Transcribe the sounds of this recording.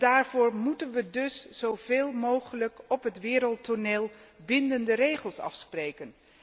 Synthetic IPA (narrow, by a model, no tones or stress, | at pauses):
d̥aːɹv̥ʊːɹmutənʋədɵsz̥owv̥eːlˠmowχələkɔpɦətʋɪːɾəlˠtoneːlˠbɪndəndərejχəlˠsɑ̰fsprejkən